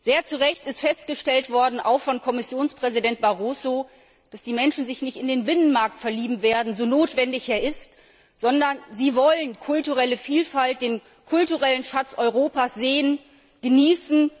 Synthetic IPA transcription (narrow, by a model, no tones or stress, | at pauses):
z̥eːɐt͡suʁɛçtɪstfɛstɡ̥əʃtɛltv̥ɔɐdn̩ʔa̰ʊxfɔnkʰɔmɪsjoːnspʁ̥ɛzidɛnt̚b̥aʁoːso | d̥asd̥iːmɛnʃn̩zɪçnɪçtɪndeːnbɪnənmaɐk̚tfɛɐliːbm̩veːɐdn̩zoːnoːtv̥ɛndɪçeːɐɪst | z̥ɔndɐnziːvɔlənkʰʊltuʁɛləfiːlfalt̚d̥eːn | kʰʊltuʁɛlənʃat͡sʔɔʏʁoːpaːsz̥eːən | ɡ̥əniːsn̩